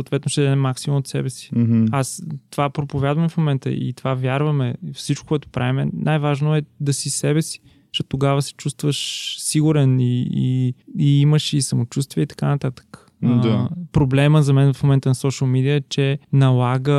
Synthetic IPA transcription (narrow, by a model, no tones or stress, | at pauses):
sot̪vɛt̪noʃt̪ɛd̪ɛmaksimumot̪sɛ̰bɛsi̥ast̪ovapɾopovʲjad̪vɐmɛfmomɛnt̪ə̰ʔḭt̪ovavʲjaɾvɐmɛfsit͡ʃko̥kɔɛt̪ʊ̥pɾʔavimɛ̰nʔajvaʒnoɛd̪ɐsisɛbɛsi̥ | ʃɛt̪ːoɡavəsɛ̥t͡ʃust̪vəʃsiɡuɾɛniḭiiməʃisɐmot͡ʃust̪viɛit̪ɐ̥kanɐt̪at̪ə̥k̪ | apɾoblɛməzɐmɛnfmomɛnt̪ənɐsɔʃəlˠmid̪iət͡ʃɛnɐlˠaɡə